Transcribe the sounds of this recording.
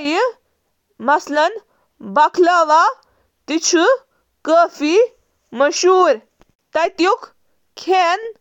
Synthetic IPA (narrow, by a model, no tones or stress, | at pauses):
ji | mɐslɐn | bɐkʰlaʋa | t̪it͡ʃʰu | kəfi | məʃuːɾ | t̪ɐjt̪juk | kʰen